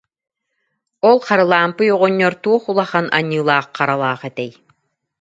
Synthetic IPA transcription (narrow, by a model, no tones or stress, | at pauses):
ɔlˠχaɾɯlˠaːmpɯjuʁɔɲːɔɾt̪uɔχulˠaχanʔa̰ɲːɯːlˠaːχqaɾalˠaːχɛt̪ɛj